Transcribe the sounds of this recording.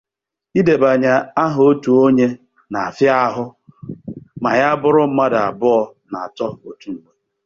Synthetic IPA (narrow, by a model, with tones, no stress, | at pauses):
i˦de˨ba˨ɲa˨a˦ɦo˦tu˨o˦ɲe˦ | na˨a˨fja˦a˦ɦʊ˦ | ma˨ja˦bʊ˦ɾʊ˦m̩˦ma˦da˨a˨bʊ˦ɔ˦ | na˨a˨tɔ˦o˨tu˨˦m̩˨me˦